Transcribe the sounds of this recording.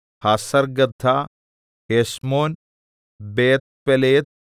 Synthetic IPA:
haːsɐɾɡɐt̪ʰa | heːsmoːn | beːt̪̚peleːt̪̚

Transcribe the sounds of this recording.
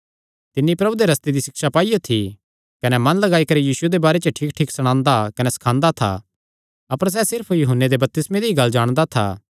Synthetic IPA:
t̪ɪnːipɾɐbud̪eɾɐst̪ed̪isɪkʃapaːijot̪ʰi | kɐnɛmɐ̃nlɐɡaːikɐɾijiːsued̪ebaːɾet͡ʃəʈʰiːkʈʰiːksɐɽ̃ãːnd̪akɐnɛsɐ̥kʰãːnd̪at̪ʰa̰ | ɐpəɾs̬ɛsɪɾpʰjʊɦənːed̪ebɐp̚t̪ɪsmẽd̪eiɡɐlːd͡ʒaːɽ̃d̪at̪ʰa̰ː

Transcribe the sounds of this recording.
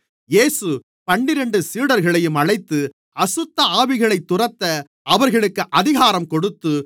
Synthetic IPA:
jeːsɯ | pɐɳːɪɾɐɳɖɯsiːɽɐɾɣɐɭɐjɯmɐɻɐɪt̪ːɯ | ɐsʊt̪ːɐaːʋɪɣɐɭɐɪt̪ːʊrɐt̪ːɐ | ʔɐʋɐɾɣɐɭɯkːɯʔɐðɪɣaːɾɐmkɔɽɯt̪ːɯ

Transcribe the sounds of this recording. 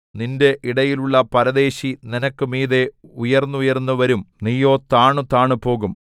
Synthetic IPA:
ninde̞ʔiɽɐjiluɭːɐpɐɾɐðe̞ːɕininɐkːɨmiːðe̞ujɐrnːuujɐrnːuʋɐɾumnijːo̞ːt̪aːɳut̪aːɳɨpo̞ːɣum

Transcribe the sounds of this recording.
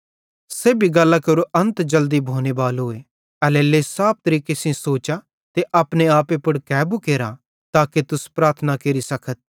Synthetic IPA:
seːbʱiɡɐlːakɐɾuʔɐ̃nt̪d͡ʒɐld̪ibʱoːnebaːlɦʊːe | ɛleːlesaːp̚t̪ɐɾiːkesĩsoːt͡ʃa | t̪eʔaːpneaːpepɐɽkɛːbukeːɾa | t̪aːket̪ʊspɾaːɾt̪ʰənakeɾisɐkʰət̪̚

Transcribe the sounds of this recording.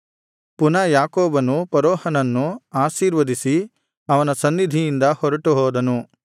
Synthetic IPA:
punɐjaːkɔːbɐnupɐɾɔːhɐnɐnːuaːʃiːɾʋɐd̪isi | ɐʋɐnɐsɐnːid̪ʱijind̪ɐhɔɾɐʈuɦɔːd̪ɐnu

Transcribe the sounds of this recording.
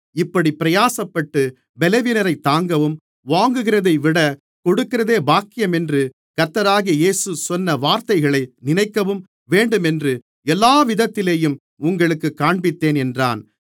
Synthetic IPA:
ɪpːɐɽipɪɾɐjaːsɐpːɐʈːɯ | bɛlɐʋiːnɐɾɐɪt̪ːaːŋɡɐʋɯm | ʋaːŋɡɯɣɪrɐðɐɪʋɪɽɐ | kɔɽɯkːɪrɐðeːbaːkːɪjɐmɛndrɯ | kɐɾt̪ːɐɾaːɣijeːsɯsɔnːɐʋaːɾt̪ɐɪɣɐɭɐɪnɪnɐɪkːɐʋɯm | ʋeːɳɖɯmɛndrɯ | ɛlːaːʋɪðɐt̪ːɪleːjɯm | ʊŋɡɐɭɯkːɯkːaːɳbɪt̪ːeːnɛndra̰ːn

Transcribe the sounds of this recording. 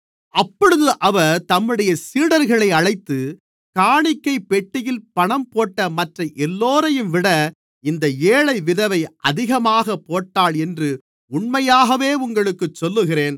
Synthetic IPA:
ɐpːɔɻɯðɯʔɐʋɐɾt̪ɐmːɯɽɐjɐsiːɽɐɾɣɐɭɐɪɐɻɐɪt̪ːɯ | kaːɳɪkːɐɪpːɛʈːɪjɪlpɐɳɐmpoːʈːɐmɐʈrɐʔɛlːoːɾɐjɯmʋɪɽɐ | ɪnd̪ɐeːɭɐɪʋɪðɐʋɐɪʔɐ̰ðɪɣɐmaːɣɐpːoːʈːaːɭɛndrɯ | ʊɳmɐjaːɣɐʋeːʊŋɡɐɭɯkːɯt͡ʃːɔlːɯɣɪreːn

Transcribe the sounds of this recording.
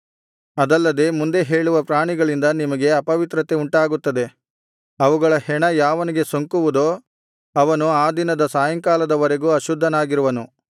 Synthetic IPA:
ɐd̪ɐlːɐd̪e̞ːmund̪e̞ɦe̞ːɭuʋɐpɾaːɳiɡɐɭind̪ɐnimɐɡe̞ɐpɐʋit̪ɾɐt̪euɳʈaːɡut̪ːɐd̪e̞ | ɐʋuɡɐɭɐhɛɳɐjaːʋɐniɡe̞soŋkuʋud̪o̞ː | ɐʋɐnuaːd̪inɐd̪ɐsaːjɐŋkaːlɐd̪ɐʋɐɾeɡuɐʃud̪ʱːɐnaːɡiɾuʋɐnu

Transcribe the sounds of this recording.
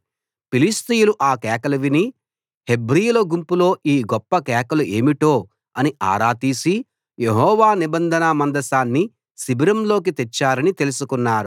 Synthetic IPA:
pilist̪ijuluʔaːkɛːkɐlɐʋini | he̞bɾijulɐɡumpulo̞ːʔiːɡɔpːɐkɛːkɐlue̞ːmiʈo̞ː | ɐniʔa̰ːɾaːt̪iːsi | je̞ɦɔːʋaːnibɐnd̪ʱɐnɐmɐnd̪ɐsaːnːi | sibiɾɐmlo̞ːk̬it̪et͡ʃːaːɾɐnit̪elusukunːaːɾu

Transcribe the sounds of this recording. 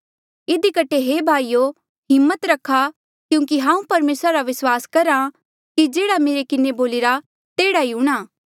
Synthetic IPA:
ɪd̪ikɐʈʰeɦeːbʱaːijo | ɦɪmːət̪ɾɐkʰːa | kjũːk̬iɦãːũpɐɾmeːsɾaɾaʋɪswaːskɐɾã | kid͡ʒeːɽameːɾekɪneboːlɪɾa | t̪eːɽaiũɽ̃aː

